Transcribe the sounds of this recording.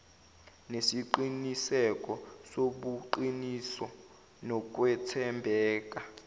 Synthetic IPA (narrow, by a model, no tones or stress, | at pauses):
nesiǃinisɛk̬ʼɔsoɓuǃinisɔ | nɔk̬ʼwɛtʰɛmbʱɛːk̬ʼa